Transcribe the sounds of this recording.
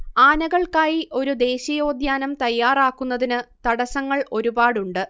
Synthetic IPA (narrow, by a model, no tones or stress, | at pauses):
aːnɐɣɐɭkaːjiʔo̞ɾud̪e̞ːɕɐjo̞ːd̪jaːnɐmt̪ɐjːaːraːkːun̪ːɐðinɨt̪ɐɽɐsɐŋːɐɭʔo̞ɾubaːɽuɳɖɨ